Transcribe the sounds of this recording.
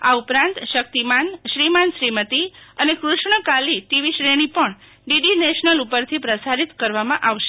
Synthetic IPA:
aupɾãnt̪ʃək̚t̪imanʃɾimanʃɾimət̪iənekɾuʃɳəkalit̪iʋiʃɾeɽ̃ipəɳ | ɖiɖineʃnəlupəɾt̪ʰipɾəsaɾit̪kəɾʋamãʔaʋʃe

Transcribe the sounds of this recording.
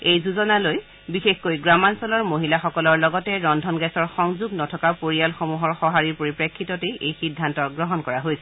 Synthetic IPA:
ejzuzɔnaloj | bixexkojɡɹamansɔlɔɹmoɦilaxɔkɔlɔɹlɔɡɔtɛɹɔndʱɔnɡɛsɔɹxɔŋzuɡnɔtʰɔkapoɹijalxomuɦɔɹxɔɦaɹiɹpoɹipɹekʰːitɔteʔejxidʱːantɔɡɹɔɦɔnkɔɹaɦojsɛ

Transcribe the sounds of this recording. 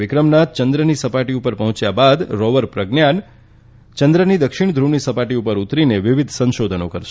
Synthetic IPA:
ɪkɾəmnat̪̚t͡ʃənd̪ɾənisəpaʈiupəɾpəɦɔ̃t͡ʃjabad̪ɾɔʋəɾpɾəɡnjan | t͡ʃənd̪ɾənid̪əkʃɪɳ̃d̪ʱɾunisəpaʈiupəɾut̪ɾineʋɪʋid̪ʱsə̃nʃod̪ʱənokəɾʃe

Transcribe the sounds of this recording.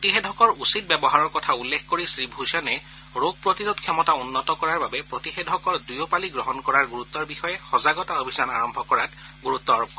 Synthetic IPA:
potixedʱɔkɔɹusit̚bɛbɔɦaɹɔɹkɔtʰaulːekʰkoɹisɹibʱusɔnɛ | ɹoɡ̚pɹotiɹudkʰɛmɔtaunːɔtɔkɔɹaɹbabɛpɹotixedʱɔkɔɹdujopaliɡɹɔɦɔnkɔɹaɹɡuɹut̪ːɔɹbixɔjɛxɔzaɡɔtaobʱizana̰ɹɔmbʱɔkɔɹat | ɡuɹut̪ːɔɹ

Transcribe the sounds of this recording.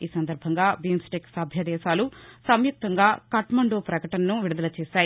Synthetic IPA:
iːsɐnd̪ɐɾbʱɐŋɡaːbiːmsʈeksɐbʱjɐd̪ɛːʃaːlusɐmjuk̚t̪ɐŋɡaːkɐʈmɐɳɖoːpɾɐkɐʈɐnɐnuʋiɽud̪ɐlɐt͡ʃɛːʃaːji

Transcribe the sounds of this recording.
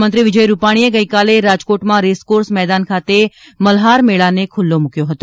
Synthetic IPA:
mə̃nt̪ɾiʋɪd͡ʒəjɾupaɽ̃ieɡəikaleɾad͡ʒkoʈmãɾeskoɾsmɛd̪ankʰat̪e | məlɦaɾmeɭanekʰʊlːomũkjoɦət̪o

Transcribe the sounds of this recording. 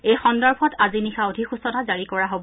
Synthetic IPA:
ejxɔndɔɹbʱɔtazinixʰaodʱixusɔnazaɹikɔɹaɦobɔ

